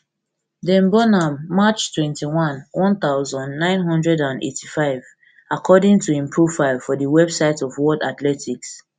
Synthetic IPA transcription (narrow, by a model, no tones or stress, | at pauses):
dɛ̃mbɔnãmːat͡ʃtʰwɛ̃ntʰiwɔ̃nwɔ̃nt̪aʊzɔ̃ndnãɪ̃nɦɔ̃ndɹɛdãndḛtʰifaɪv | akʰɔdĩŋtʰuĩmpʰɹofaɪlˠfɔðəwɛbsaɪtɔvwɔdatlɛtʰiks